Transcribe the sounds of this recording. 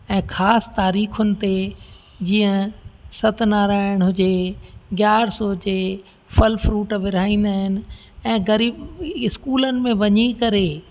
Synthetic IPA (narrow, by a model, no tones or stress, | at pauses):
ɛ̃ːxaːst̪aːɾiːxʊnɪ̆t̪e | d͡ʑiːə̃sɐt̪naːɾaːɪɽ̃ɦʊd͡ʑeɡjaːɾsɔːd͡ʑe | fɐlfɾuːʈʋɪɾaːĩːn̆d̪aːɦɪnɪ̆ | ɛ̃ːɡɐɾiːbɪskuːlənɪ̆mẽʋɐɲikɐɾe